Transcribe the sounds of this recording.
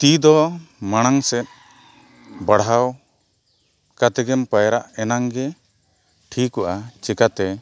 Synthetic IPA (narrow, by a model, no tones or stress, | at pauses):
t̪id̪ɔmaɽ̃aŋsɛt̪̚ | baɽɦaw | kat̪ɛɡɛmpajɾaʔɛnaŋɡɛ | ʈʰikɔʔat͡ʃɛkat̪ɛ